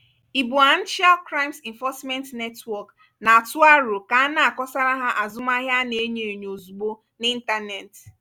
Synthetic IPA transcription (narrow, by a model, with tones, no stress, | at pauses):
i˨bu˨a˦n̩˦t͡ʃa˦lkɾa˦jmsi˨ɱ˨fɔ˦smɛ˦ntne˦twɔ˨k | na˨a˨tʊ˦a˦ɾʊ˨ka˨a˦na˦a˨kɔ˦sa˦ɾa˦ɦa˦ʔa˨zʊ˦ma˦ɦja˦ne˨˦ɲe˨ɲ˨o˨zu˨ɡ͡bo˦ | ni˦n̩˦ta˦ne˨t